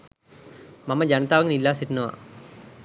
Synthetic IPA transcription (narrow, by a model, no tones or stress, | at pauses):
maməd͡ʒanət̪aːʋəŋnilːaːsiʈənəʋa̰